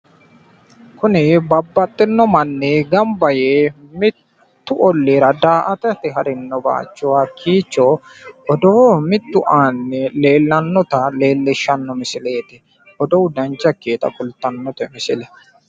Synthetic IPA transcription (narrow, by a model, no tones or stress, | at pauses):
kʊnɪbɐbːɐt̪ʼːɪnːɔmɐnːɛɡɐmbɐjeːmɪt̪ː | ʊʔɔlːeːɾɐd̪aːʔɐt̪ɛt̪ɪɦɐɾɪnːɔba̰ːt͡ʃːʊwaːkʰːiːt͡ʃːɔʔɔd̪oːmɪt̪ːʊʔaːnːɛle̞ːlːɐnːɔt̪ɐle̞ːlːɪʃːɐnːɔmɪsɪle̞ːt̪ɪ | ɔd̪ɔwd̪ɐnt͡ʃːɐkːeːt̪ɐ̰kʼʊlt̪ːɐnːɔt̪ɛmɪsɪlɛ